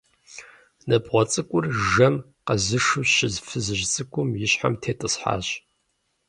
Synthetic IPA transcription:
nɐbʁʷɔt͡sʼɨkʷʼʊrʒɐm | qɐzɨʂɨɕɪzfɨzɨʒt͡sʼɨkʷʰʼʊmjɪɕħa̰mtʰeːtʼɨsħa̰ːɕ

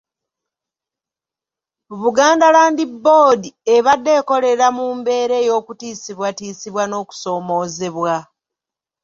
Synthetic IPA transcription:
βuɡaːndalaːndibːo̞ːdie̞βadːe̞ːko̞le̞ɾamuːmbe̞ːɾe̞ːjo̞ːkutiːsiβwatiːsiβwano̞ːku̥so̞ːmo̞ːze̞βwa

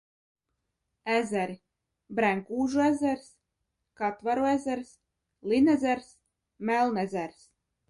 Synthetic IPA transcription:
æzʲæɾi | bɾæŋkuːʒuæzʲæɾs | kat̪vaɾuæzʲæɾs | lˠinæzʲæɾs | mælˠnɛzʲæɾs

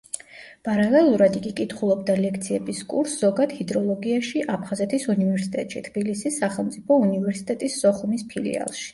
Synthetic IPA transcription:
pʼaɾalɛlˠuɾad̪ikʼikʼit̪ʰχulˠɔb̚d̪alɛkʰt̪sʰiɛbiskʼṵɾsz̥ɔɡad̪̥hid̪ɾɔlˠɔɡiaʃiʔapʰχazɛt̪ʰisunivɛɾsi̥t̪ʼɛt̪ʼʃḭt̪ʰb̥ilisisːaχɛlˠmt̪sʼipʰɔunivɛɾsi̥t̪ʼɛt̪ʼisːɔχumispʰilḭa̰lˠʃi̥

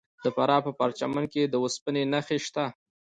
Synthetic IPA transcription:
d̪̥əfaɾɑpəpaɾt͡ʃamanked̪əwʊspənenaxeʃt̪a

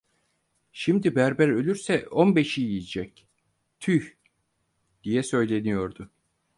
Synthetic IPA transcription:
ʃimd̪ibæɾbæɾø̞lʲyɾsɛo̞nbe̞ʃijijid͡ʒɛc | t̪ʰyç | d̪̥ijɛsø̞jlʲe̞nijo̞ɾd̪ʊ

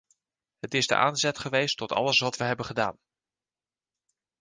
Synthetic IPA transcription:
ɦətɪzdə̰ʔa̰ːnzɛtχəʋejstɔtɑ̰ləsʋɑtʋəɦɛbəχəda̰ːn

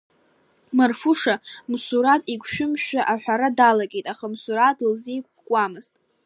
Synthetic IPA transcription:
marfuʂamsuɾatʼikʷʰʃᶣʊmʃᶣaʔaħʷᶣaɾadalaɡʲʼe̞jtʼaχamsuɾatʼlzejkʷʼkʷʼamɨz̥tʼ

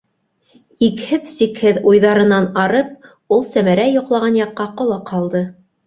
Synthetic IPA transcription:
ikhɘðsikhɘðujðɑɾɤ̆nɑnɑɾɤp̚ | ulˠsæmæɾæjŏqlˠɑʁɑnjɑqːɑqŏlˠɑqʰɑlˠd̪ɤ

